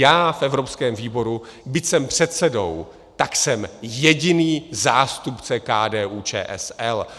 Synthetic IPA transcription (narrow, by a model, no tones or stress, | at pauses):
jaːfʔɛvɾo̞pskɛːmviːbo̞ɾu | bɪcsɛmpr̝̥ɛt̪sɛdo̞̰w | t̪aksɛmjɛɟɪniːzaːst̪upt͡sɛkaːdɛːʔuːt͡ʃɛ̰ːʔɛ̰sɛl